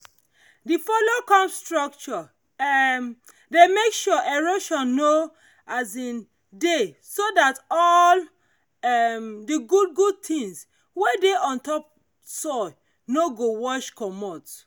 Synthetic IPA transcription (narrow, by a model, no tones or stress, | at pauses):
difɔlokɔ̃mstɹɔk̚t͡ʃɔ | m | demekʃɔʔeɹoʃɔ̃nːo | azĩn | de | sodatɔl | ɛmdiɡud̚ɡud̚tʰĩŋs | wedeɔ̃ntɔp̚ | sɔ | noɡowɔʃkɔmɔt